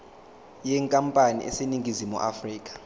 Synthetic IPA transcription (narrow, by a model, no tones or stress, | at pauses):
jɛŋkʼampʼanḭʔḛseniŋɡʱizimṵʔafriːk̬ʼḁ